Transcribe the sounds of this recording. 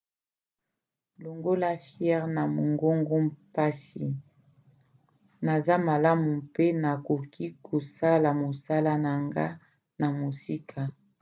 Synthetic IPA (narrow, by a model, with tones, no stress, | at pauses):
lo˨ŋɡo˦la˦fjɛ˦ʁna˨mo˨ŋɡo˦ŋɡo˦mpa˦si˨ | na˨za˦ma˨la˦mu˨pe˦na˨ko˨kʰi˦kʰo˨sa˦la˨mo˨sa˦la˦na˨ŋɡa˦ | na˨mo˨si˦kʰa˨